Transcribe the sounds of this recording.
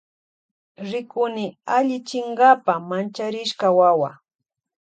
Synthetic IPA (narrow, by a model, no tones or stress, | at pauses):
ɾɪkʊnɪaʎɪt͡ʃɪŋɢapamant͡ʃaɾɪʃkawawa